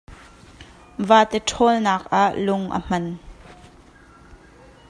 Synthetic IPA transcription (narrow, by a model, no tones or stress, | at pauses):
vaːt̪ɛʈ͡ʂʰɔːlnaːk̚ʔaʔlʊŋʔə̰m̥ɐn